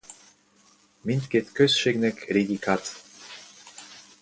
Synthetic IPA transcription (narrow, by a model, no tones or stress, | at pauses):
mint̪keːt̪køsʃeːɡnɛkreːɡikʰat̪